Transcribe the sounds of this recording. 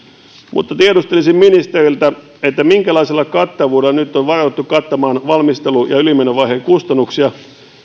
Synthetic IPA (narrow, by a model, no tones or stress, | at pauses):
mṵt̪ːɑt̪iedust̪elisimminist̪erilt̪æ | et̪ːæmiŋkælɑiselːˑɑkɑt̪ːɑʋuːdelnyt̪ːoʋʋɑroet̪ːukɑt̪ːɑmɑːnʋɑlmist̪elujɑylimenoʋɑihekust̪ɑnːuksiɑ